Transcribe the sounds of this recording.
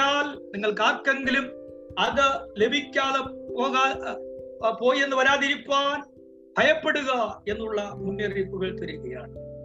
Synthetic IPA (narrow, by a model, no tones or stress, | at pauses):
aːlniŋːɐɭkaːkːeŋɡilumɐðɨle̞bʱikʲːaːðepoːɣaː | po̞ːje̞nːɨʋɐɾaːðiɾipːaːn | b̥ʱɐjɐpːe̞ɽuɣɐe̞nːuɭːɐmunːjɐrɾiːt̪ːuɣɐɭt̪ɐɾiɣɐja̰ːɳɨ